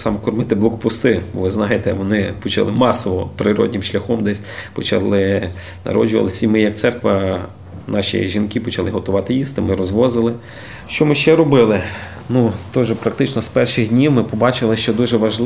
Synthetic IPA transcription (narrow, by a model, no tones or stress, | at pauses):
sɑmɛkɔrmɪt̪ɪblˠɔkɔpʊst̪ɪʋɪznɑjɪt̪ɛʋɔnɪpɔt͡ʃɐ̰lˠɪmɑsɔʋɔpɾɪɾɔ̰dʲnʲɪmʃlʲɐxɔmd̪ɛsʲpɔt͡ʃɐ̰lˠɪ | nɐ̰ɾɔ̰d͡ʒʊʋɐ̰ɪsʲɐimɪjɐk̪̚sɛrkʋɐ | nɑʃʲḭj̰ʒʲinkɪpɔt͡ʃɐlˠɪɦɔt̪ʊʋɑt̪ɪjist̪ɪmɪɾɔzʋɔzɪlˠɪ | ʃt͡ʃɔmɪʃt͡ʃɛɾɔbɪlˠɪ | nut̪ɔʒɛpɾɐk̚t̪ɪt͡ʃnɔspɛrʃɪɣdʲnʲiwmɪpɔbɑt͡ʃɪlˠɪʃt͡ʃɔd̪uʒɛʋɐʒlˠ